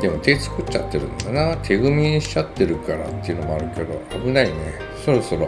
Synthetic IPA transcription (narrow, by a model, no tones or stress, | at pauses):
d̪emo̞t̪e̞t͡sɨ̥kɯ̟t͡ɕa̰t̪ːe̞ɾɯ̟̃nanat̪ʰe̞ɡɯmʲĩɕi̥at̪ːe̞ɾɯ̟kaɾa̰t̪ːe̞iɯ̟no̞moaɾɯ̟ke̞d̪o̞̰abɯ̟naine̞ | so̞ɾo̞so̞ɾo̞